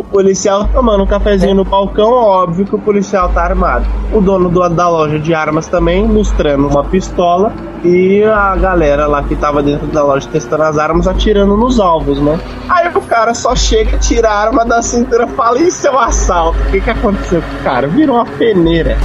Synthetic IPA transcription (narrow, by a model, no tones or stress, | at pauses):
ʊpolisiawt̪õmɐ̃nʊũkafɛzĩɲʊnʊbawkɐ̃w̃ɛɔbviʊkɪʊpolisiawt̪aaɾmad̪ʊʊd̪õnʊd̪ʊd̪ɐlɔʒɐd͡ʒɪaɾmɐst̪ɐ̃mbẽj̃most̪ɾɐ̃nd̪ʊũmɐpist̪ɔlɐ | ɪɐɡalɛɾɐlakɪt̪avɐd̪ẽnt̪ɾʊd̪ɐlɔʒɐt̪est̪ɐ̃nd̪ʊɐzaɾmɐzat͡ʃiɾɐ̃nd̪ʊnʊzawvʊ̃znɛ | aiʊkaɾɐsɔʃeɡɐɐt͡ʃiɾaaɾmɐd̪ɐsĩnt̪uɾɐfalɐɪĩsewasalt̪ʊkekɪakõnt̪e̥sewkõʊkaɾɐviɾɐ̃ũmɐfeneɾɐ